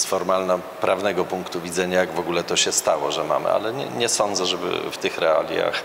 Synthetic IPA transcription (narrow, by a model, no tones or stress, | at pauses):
sfɔɾmalna | pɾʔavnɛɡɔpuŋkt̪uvʲid̪zɛɲajaɡvɔɡulɛt̪ɔɕɛst̪awɔʐɛma̰mɘ̰ʔa̰lɛɲɛ̰ɲɛsɔnd̪zɛʐɛbɘ̰ft̪ɘxɾɛa̰lʲja̰x